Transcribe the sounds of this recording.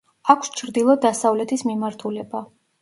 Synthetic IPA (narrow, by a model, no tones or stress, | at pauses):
akʷʰst͡ʃʰɾd̪ilˠɔd̪asavlɛt̪ʰismimaɾt̪ʰulɛba